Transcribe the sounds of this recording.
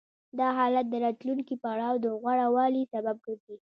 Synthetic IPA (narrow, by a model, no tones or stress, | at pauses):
d̪ɑɦɑlat̪̚d̪əɾɑt̪luŋkipaɽɑwd̪əɣwaɽawɑlisabab̚kəɾd̪i